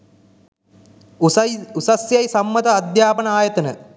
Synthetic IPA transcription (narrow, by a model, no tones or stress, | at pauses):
usɐsjajsɐmːɐt̪ɐːd̪jaːpɐnɐaːjɐt̪ɐnə